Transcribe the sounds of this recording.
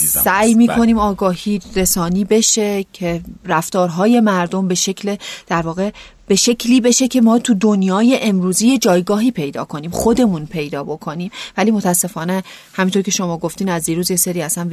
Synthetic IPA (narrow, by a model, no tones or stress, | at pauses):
sæːjmiːkʰo̞niːmɒːɡɒːhiːɾe̞sɒːniːbe̞ʃe̞cʰeɾæft̪ɒːɾɦɒːje̞mæɾd̪o̞mbe̞ʃe̞cʰled̪̥æɾvɒːɣe̞ | b̥e̞ʃecʰliːbe̞ʃe̞cʰe̞mɒːt̪ʰud̪onjɒːje̞ʔemɾuːziːje̞d͡ʒɒːjɡɒːɦiːpʰe̞jd̪ɒ̰ːkʰo̞niːmxo̞d̪e̞munpʰe̞jd̪ɒːbo̞kʰo̞niːmvæliːmo̞t̪ʰæsːe̞fɒːne | hæmint̪ʰo̞ɾcʰe̞ʃo̞mɒːɡo̞ft̪iːnæzd̪iːɾuːzjeseɾiːæsæn